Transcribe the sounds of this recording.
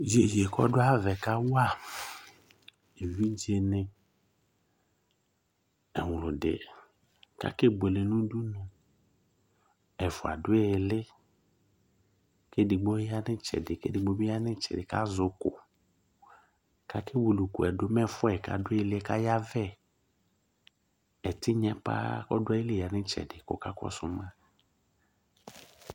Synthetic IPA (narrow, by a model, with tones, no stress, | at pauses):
d͡ʒe˨d͡ʒe˨kɔ̰˦dʊ˦a˦vɛ˨ka˦wa˦˨ | e˨vi˦d͡ʒi˨˦e˨nɪ˦ | ɛ˨wʊ˨lʊ˨dɪ̰˨ | ka̰˦ke˦be˨le˨nũ˦du˦nʊ˨ | ɛ˨fʊ˨a̰˨dʊ˦e˦˨lɪ˦ | ke˦dɪ˨ɡ͡bo˦a˦nɪ˦t͡ʃɛ̰˨dɪ˨kḛ˦dɪ˨ɡ͡bo˦bi˦a˦nɪ˦t͡ʃɛ̰˨dɪ˨ka˦zʊ˦kʊ̰˨ | ka˦kɪ˦wo˨lu˨ku˨ɛ˨dʊ˦mɛ˦fʊ˦ɛ˨ka̰˨dʊ˦e˦˨lɪ˦ɛ˦ka˦ja˦vɛ˦˨ | ɛ˨tɪ˦ɲɛ˦pa̰˦ɔ̰˦dɛ˦jɪ˦lɪ˦˨a˨nɪ˦t͡ʃɛ̰˨dɪ˨kʊ̰˦ka˦kɔ̰˦sʊ̰˦mã˦˨